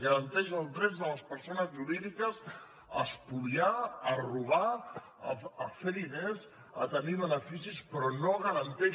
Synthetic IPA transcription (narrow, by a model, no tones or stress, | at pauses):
ɣəɾənt̪ɛʃəlˠd̪ɾɛzd̪ələspəɾsonəzʒuɾiðikəz | əspuliaəruβ̞a | əfelinez | ə̰t̪əniβənəfisispɾɔnoɣəɾənt̪ɛ